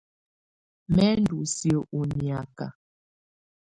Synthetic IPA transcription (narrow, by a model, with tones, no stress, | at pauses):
mɛ˦n˦du˨sjo˨ʔu˨ni˨a˨ka̰˨